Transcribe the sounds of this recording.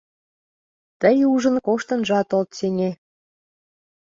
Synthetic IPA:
t̪əjuʒə̆nkoʃt̪ɤ̆nʒɑt̪olt̪seŋʲe

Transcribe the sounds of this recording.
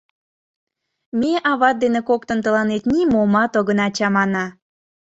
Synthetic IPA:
mʲeʔɑβɑt̪̚d̪enekok̚t̪ə̆nt̪əlɑnet̪nimomɑt̪oɣənɑt͡ɕɑmɑnɑ

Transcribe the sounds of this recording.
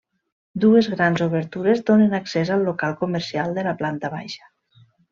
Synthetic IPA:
d̪uezɣɾanzoβ̞əɾt̪uɾezd̪onenaksezalˠːokalˠkoməɾsialˠd̪əlaplant̪əβa̰jʃə̥

